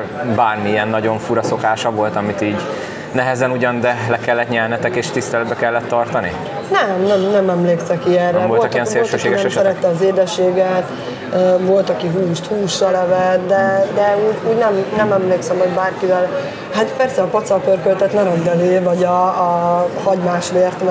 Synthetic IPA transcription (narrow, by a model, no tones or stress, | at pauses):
baːrmiiɛnːɒɟo̞ɱfuɾɒso̞kaːʃɒvo̞lt̪ɒmit̪iːɟ | nɛɦɛzɛnuɟɒnd̪ɛlɛkɛlːɛt̪ɲɛlnɛt̪ɛkeːʃt̪ist̪ɛlɛd̪̚bɛkɛlːɛt̪ːɒrt̪ɒnḭ | nɛmnɛmnɛmɛmleːksɛkiɛrːɛololɑkijɛnseoːltʃøʃeːɡɛʃsɛɾɛt̪ːɛɒzeːd̪ɛʃːeːɡɛt̪ | øvo̞lt̪ɒkiɦuːʃt̪huːʃːɒlɛvɛt̪d̪ɛd̪ɛuːɟuːɟnɛmnɛmɛmleːksɛmho̞ɟbaːrkivɛl | hat̪pɛrsɛɒpɒt̪sɒpørkølt̪ɛt̪nɛɾɛɡɛleːvɒɟɒː | hɒɟmaːʃʋeːrt̪m